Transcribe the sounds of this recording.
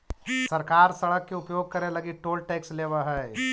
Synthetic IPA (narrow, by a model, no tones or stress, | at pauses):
sɐɾkaːɾsɐɽəkːeʊpjoːɡ̚kɐɾẽlɐɡiʈoːlʈɛːksleːʋəɦɛː